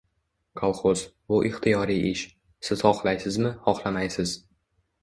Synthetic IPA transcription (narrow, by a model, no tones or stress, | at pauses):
kʰɒlˠχoz̥bʊʔɪχt̪ʰijɒɾijʔɪʃ | sɪz̥χɒχlˠajsɪzmɪhɒχlˠamajsɪz̥